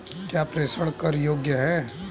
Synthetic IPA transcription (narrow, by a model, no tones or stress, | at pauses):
kjaːpɾeːsəɽkɐɾjoːɡjəɦɛ